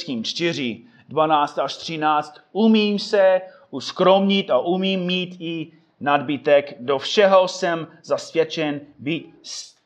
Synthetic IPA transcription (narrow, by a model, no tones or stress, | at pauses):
kiːmt͡ʃt̪ɪr̝ɪ | dvanaːt͡st̪aʃt̪r̥ɪnaːt͡st̪umiːmsɛ | uskɾomɲit̪aʔumiːmːiːt̪ɪ | nadbɪt̪ɛkdofʃɛɦo̞sɛmzasvjɛt͡ʃɛnbit̪s